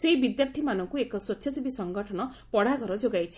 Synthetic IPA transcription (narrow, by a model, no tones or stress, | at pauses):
seibid̪japt̪ʰimanɔŋkuekɔsɔt͡ʃʰɔsibisɔŋɡɔʈʰɔnɔ | pɔɽ̤akɔɾɔd͡ʒoɡajt͡ʃʰi̥